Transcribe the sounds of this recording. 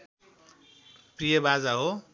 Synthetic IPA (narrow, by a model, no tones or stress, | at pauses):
prijʌbad͡zaɦo